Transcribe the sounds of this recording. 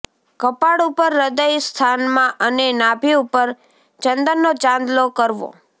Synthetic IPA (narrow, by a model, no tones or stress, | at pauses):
kəpaɽupəɾːəd̪əjst̪ʰanmãʔənenabʱiupəɾ | t͡ʃənd̪ənːot͡ʃãnd̪lokəɾʋo̰